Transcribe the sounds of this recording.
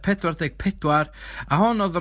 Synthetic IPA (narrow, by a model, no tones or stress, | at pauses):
pʰɛdwardejɡ̥̚pʰɛdwaraɦɔnɔðr